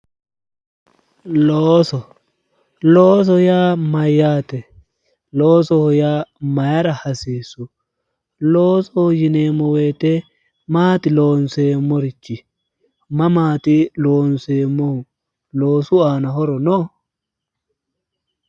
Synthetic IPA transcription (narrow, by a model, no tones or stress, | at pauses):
loːsɔ | loːs̬ɔjaːmɐjːaːt̪ɛ | loːsɔhʊjaːmɐjɐɾɐhɐsiːsːʊ | loːsɔhʊjɪneːmːɔweːt̪ɛ | maːt̪ɪloːnseːmːɔɾɪt͡ʃːɪ | mɐmaːt̪ɪloːnseːmːɔhʊ | lo̞ːsʊaːnɐɦɔɾɔnɔː